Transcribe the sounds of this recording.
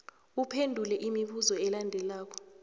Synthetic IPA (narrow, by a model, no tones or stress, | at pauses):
upʰendʱulɛʔimiɓuzɔɛlandʱɛlaːk̬ɔ̥